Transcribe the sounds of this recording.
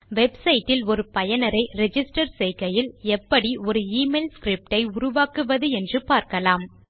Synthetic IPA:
ʋɛbsɐɪʈːɪlɔɾɯpɐjɐnɐɾɐɪɾɛd͡ʒɪsʈɐɾsɛɪkːɐjɪlɛpːɐɽiɔɾɯiːmeːlskɾɪp̚ʈɐɪʊɾʊʋaːkɯʋɐðɯɛndrɯpaːɾkɐlaːm

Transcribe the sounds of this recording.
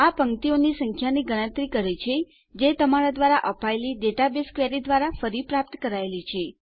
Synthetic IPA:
apəŋt̪ionisəŋkʰjaniɡəɽ̃ə̃t̪ɾikəɾet͡ʃʰe | d͡ʒet̪əmaɾad̪ʋaɾaʔəpaeliɖeʈabeskʋeɾid̪ʋaɾafəɾipɾap̚t̪kəɾaelit͡ʃʰe

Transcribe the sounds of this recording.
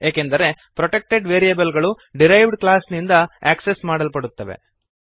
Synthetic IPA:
eːkend̪ɐɾe̞ | pɾoʈek̚ʈe̞ɖʋeːɾijɐbɐlɡɐɭu | ɖiɾɐjʋɖklaːsnind̪ɐaːksesmaːɽɐlpɐɽut̪ːɐʋe̞̰

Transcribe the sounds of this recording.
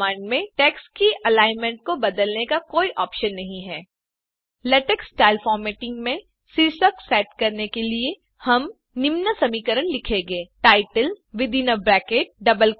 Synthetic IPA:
ãːɳɖmẽʈɛːkskiʔɐlaːɪnmə̃ɳʈ̚kobɐd̪əlnekakoːiʔɔːpʃənːɐɦĩɦɛː | lɛʈekssʈaːɪlfɔːɾmeːʈɪ̃ŋɡmẽ | siɾsəksɛːʈ̚kɐɾnekelie | hɐm | nɪmnəsɐmiːkəɾənlɪkʰẽːɡeːʈaːɪʈəlʋɪd̪iːnabɾɛːkeːʈ̚ɖɐbəl

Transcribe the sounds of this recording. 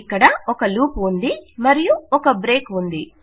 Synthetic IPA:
kːɐɽɐɔkɐluːpund̪imɐɾijuɔkɐbɾe̞ːkund̪i

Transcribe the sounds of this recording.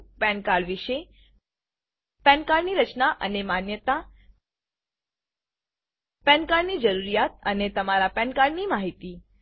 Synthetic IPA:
pɛ̃nkaɭʋiʃe | pɛ̃nkaɽniɾət͡ʃnaʔə̰nemanjət̪a | pɛ̃nkaɽnid͡ʒəɾuɾijat̪̚ənet̪əmaɾapɛ̃nkaɽnimaɦit̪i

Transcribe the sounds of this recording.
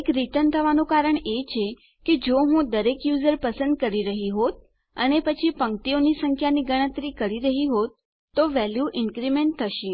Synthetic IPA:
ekɾit̪ənt̪ʰəʋanũkaɾəɳet͡ʃʰe | ked͡ʒoɦũd̪əɾekjuzəɾpəsə̃nd̪̚kəɾiɾəɦiɦot̪̚ | ə̰nepət͡ʃʰipə̃ŋkt̪ionisəŋkʰjaniɡəɽ̃ət̪ɾikəɾiɾəɦiɦot̪ː | oʋɛljuʔɪnkɾimeɳʈ̚t̪ʰːəʃĩ

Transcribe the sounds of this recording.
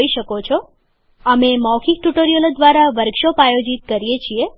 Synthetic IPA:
iʃəkot͡ʃʰɔ | əmemɔwkʰik̚ʈuʈoɾijolod̪ʋaɾaʋəɾɡʃopajod͡ʒit̪̚kəɾijet͡ʃʰie

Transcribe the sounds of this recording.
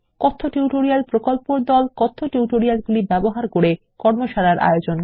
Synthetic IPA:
kɔt̪ʰːoʈiuʈoɾialpɾokolpoɾd̪ɔlkɔt̪ʰːoʈiuʈoɾialɡulibɛboɦaɾkoɾe | kɔɾmoʃaɾaɾʔa̰jod͡ʑon

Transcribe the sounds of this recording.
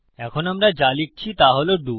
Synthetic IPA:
ɛkʰonamɾad͡ʑalik̚t͡ɕʰit̪aɦoloɖu

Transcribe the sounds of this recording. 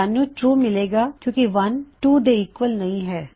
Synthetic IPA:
anːũːʈɾuːmɪleːɡaːkjõːkiʋɐnʈuːd̪eːɪkʋəlnɐĩɦɛː

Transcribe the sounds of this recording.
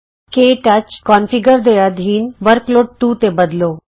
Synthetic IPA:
keʈat͡ɕkɔnfiɡəɾd̪ejad̪ʱɦiːnʋəɾkloːʈʈut̪ebəd̪lo

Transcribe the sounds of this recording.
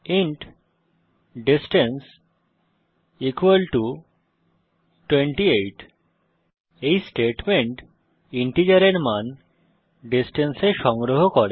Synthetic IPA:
iɳʈ | ɖisʈens | ikwəlʈu | ʈweɳʈiejʈ | ejsʈeʈmeɳʈ | iɳʈid͡ʑaɾeɾman | ɖisʈenseʃɔŋɡɾoɦokɔɾe

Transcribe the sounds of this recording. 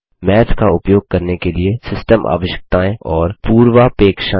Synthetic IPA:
mɛːt͡ʃkaʊpjoːɡ̚kɐɾnekeliesɪsʈəmʔa̰ːʋəʃə̥k̚t̪aːẽɔːɾpuːɾʋapeːkʃaː

